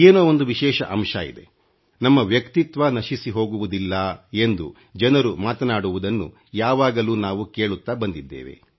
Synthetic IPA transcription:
eːnoːond̪uʋiʃɛːʃɐ̰ʔɐmʂɐḭd̪ḛ | nɐmːɐʋjɐkt̪it̪ʋanɐʃisiɦo̞ːɡuʋud̪ilːɐe̞nd̪ṵ | d͡ʒɐnɐɾumaːt̪ɐnaːɽuʋud̪ɐnːṵ | jaːʋaːɡɐluːnaːʋuke̞ːɭut̪ːaːbɐnd̪id̪ːḛːʋḛ

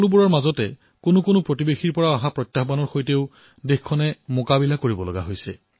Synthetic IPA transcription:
lubɔɹɔɹmazɔtɛ | konʊkonʊpɹotibexiɹpɔɹaaɦapɹɔjtːaxbanɔɹxojteʊ | dexkʰːɔnɛmokabilakoɹibɔlɔ̰ɡa̰ɦojsɛ̰

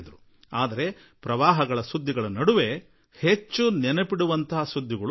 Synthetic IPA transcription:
d̪ɐɾu | aːd̪ɐɾe̞ | pɾɐʋaːɦɐɡɐɭɐsud̪ʱːiɡɐɭɐnɐɽuʋe̞ | het͡ʃːunɛnɐpiɽuʋɐnt̪ʰɐɦɐsud̪ʱːiɡɐɭ

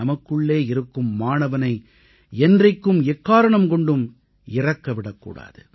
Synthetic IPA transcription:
ɐmɐkːɯɭːeːɪɾɯkːɯmːaːnɐʋɐnɐɪ | ɛndrɐɪkːɯmɛkːaːɾɐɳɐmkɔɳɖɯm | ɪrɐkːɐʋɪɽɐkːṵːɽa̰ːðɯ̰

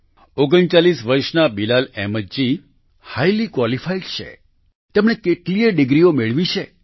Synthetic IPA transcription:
oɡəɳt͡ʃalisʋəɾʃnabilalɛməd͡ʒi | hajlikwalifaiɖt͡ʃʰḛ | t̪emɳekeʈlieɖɪɡɾiomeɭʋit͡ʃʰe

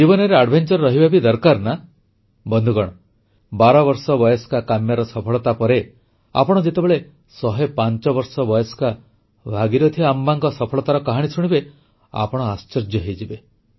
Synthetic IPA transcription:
d͡ʒibɔnɔɾeaɖbʱent͡ʃɔɾɾɔɦibabʱid̪ɔɾkaɾna | bɔnd̪ʱuɡɔɽ̃ɔ | baɾɔbɔɾsɔbɔjɔskakamjaɾɔsɔpʰɔɭɔt̪apɔɾe | a̰pɔɽ̃ɔd͡ʒet̪ebeɭe | sɔɦepant͡ʃɔbɔɾsɔbɔjɔska | bʱaɡiɾɔt̪ʰiambaŋkɔsɔpʰɔɭɔt̪aɾɔkaɦaɽ̃isuɽ̃ibe | a̰pɔɽ̃ɔast͡ʃɔɾd͡ʒjɔɦejd͡ʒibe

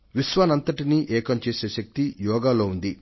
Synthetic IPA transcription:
ʋiʃʋaːnɐnt̪ɐʈiniʔɛːkɐmt͡ʃeːseːʃɐk̚t̪ijɔːɡaːlo̞ːund̪i

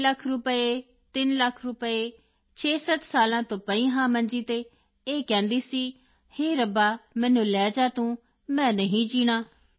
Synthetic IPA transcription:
ləkʰɾʊpəe | t̪ɪnləkʰɾʊpəeː | t͡ʃʰeːsət̪saːlãːt̪õːpəĩːɦãːmə̃nd͡ʒiːt̪eː | eːkɛ̃ːnd̪iːsiː | heːɾəbaːmɛ̃ːnũːlɛːd͡ʒaːt̪ũː | mɛ̃ːnəɦĩːd͡ʒiːɽ̃aː

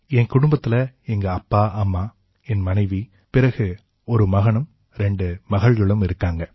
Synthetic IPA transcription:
ɛnkʊɽʊmbɐt̪ːɪlɐɛŋɡɐɐpːaːʔɐmːaː | ɛnmɐnɐɪʋi | pɪɾɐɣɯ | ɔɾɯmɐɣɐɳɯm | ɾɛɳɖɯmɐɣɐɭɣɐɭɯmɪɾɯkːaːŋɡɐ

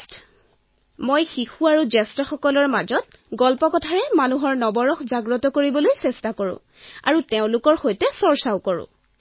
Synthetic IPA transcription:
t | mojxixuaɹuzɛstɔxɔkɔlɔɹmazɔt | ɡɔlpɔkɔtʰaɹɛmanuɦɔɹnɔbɔɹɔxzaɡɹɔtɔkoɹibɔlojsɛstakoɹʊ̰̃ | a̰ɹuteʊ̃lʊkɔɹxojtɛsɔɹsaʊkɔɹʊ̰̃

